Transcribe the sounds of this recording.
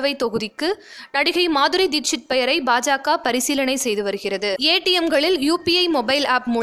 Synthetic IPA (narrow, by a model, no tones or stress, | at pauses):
ʋɐɪt̪ːɔɣɯðɪkːɯnɐɽɪɣɐɪmaːðɯɾɐɪd̪ikt͡ʃɪʈ̪̚pɛjɐɾɐɪbaːd͡ʒaːkaːpɐɾɪsiːlɐnɐɪsɛjðɯʋɐɾɯɣɪrɐðɯeːʈːɪjɛmɡɐɭɪljuːpiɐɪmɔbɐɪlaːpmʊ